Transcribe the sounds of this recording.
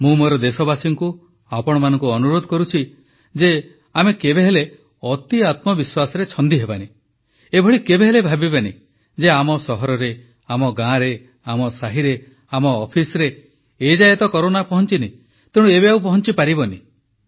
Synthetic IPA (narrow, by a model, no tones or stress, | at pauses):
mũmoɾɔd̪esɔbasiŋku | apɔɽ̃ɔmanɔ̃ŋkuɔnuɾod̪ʱɔkɔɾut͡ʃʰi | d͡ʒe | amekebeɦele | ɔt̪iat̪mɔbiswasɔɾet͡ʃʰɔnd̪iɦebani | ebʱɔɭikebeɦelebʱabibanḭ | d͡ʒeamɔsɔɦɔɾɔɾe | amɔɡãɾe | amɔsaɦiɾe | amɔːpʰisɔɾeː | d͡ʒaet̪ɔkɔɾonapɔɦɔnt͡ʃini | t̪ẽũeβeawpɔɦɔnt͡ʃipaɾibɔni